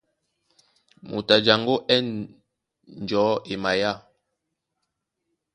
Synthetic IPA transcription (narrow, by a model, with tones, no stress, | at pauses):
mṵ˨ta˨d͡ʒa˨ŋɡo˦ʔɛ˦n | n˨d͡ʒɔː˨˦e˨ma˨ja˦˨